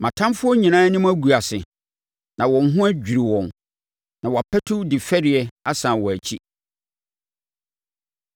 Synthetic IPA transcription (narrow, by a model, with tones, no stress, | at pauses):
mã˨tʰã˦mfʊ˦ɔ˦ɲĩ˨nã˦nɪ̃˦m˦æ˦ɡu˨a˨sɪ˨ | nã˨wɔ̃˨n˦ɦʊ̃˦æ˦d͡ʑᶣi˨ɾi˨wɔ̃˨n | nã˨wɔ˨a˨pʰɛ˦tʰʊ˦dɪ˨fɛ˦ɾɪ˨ɛ˨a˦sã˨wɔ˨æ˨t͡ɕʰi˦